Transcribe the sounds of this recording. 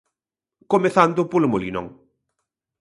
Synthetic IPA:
komeθand̪ʊpolmolḭnɔ̰ŋ

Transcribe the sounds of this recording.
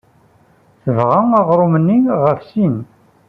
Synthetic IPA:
θəvʁaŋaʁɾˤumənːiʁəfsin

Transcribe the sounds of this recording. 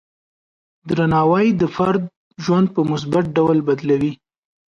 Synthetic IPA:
d̪ɾanɑwajd̪əfaɾd̪̚ | ʒwand̪̚pəmʊs̬bat̪̚ɖawlbad̪lawi

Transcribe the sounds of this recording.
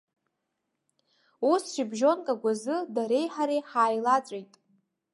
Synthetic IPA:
usʃibʒo̞nkʼaɡʷazɨdaɾe̞jħaɾejħaːjlat͡sʷʼejtʼ

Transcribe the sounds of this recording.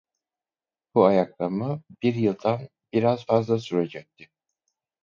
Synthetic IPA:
b̥uajaklˠamɯbiɾjɯlˠd̪an | biɾaz̥fazlˠasyɾed͡ʒɛc̚t̪ʰɪ

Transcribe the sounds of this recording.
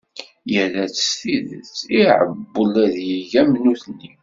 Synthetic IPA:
jəlæt͡sːsθiðə̰t͡sːiʕə̰bbːəlæðjiʝæmnuθnːi

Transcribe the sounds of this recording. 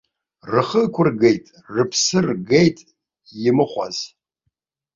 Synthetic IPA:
rɨχəkʷʰʊrɡejtʼ | rɨpʰsɨrɡejtʼ | jɪmɨχʷa̰z

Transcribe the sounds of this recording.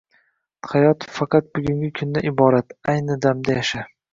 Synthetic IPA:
hajɒt̪fɑqɑt̪̚bʊɡʲʊŋɡʲɪkʰʊnd̪aʔɪbɒɾat̪ajnɪd̪amd̪ajaʃa

